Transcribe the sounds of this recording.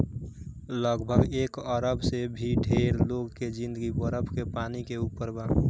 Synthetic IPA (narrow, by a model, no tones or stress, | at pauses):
ləɡbʱəɡeːkəɾəbsebʱiɖʱeɾloɡked͡ʒĩnd̪əɡiwəɾəbkepaːnikeupəɾbãː